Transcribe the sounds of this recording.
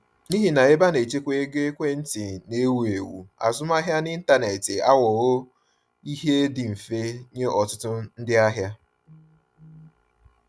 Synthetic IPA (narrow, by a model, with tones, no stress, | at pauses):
ni˦ɦi˨na˨e˦ba˦ne˨t͡ʃe˦kʷe˦e˦ɡe˦kʷe˦n̩˦tɪ˨ne˦wu˦e˨wṵ˨a̰˨zʊ˦m˦a˦ɦja˦nɪ˦n̩˦ta˦ne˨tɪ˨a˦wɔ˨ɣʊ˦ | i˦ɦe˦dɪ˨m̩˨fe˦ɲe˦ʔɔ˨tʊ˦tʊ˦n̩˦dɪ˦a˦ɦja˦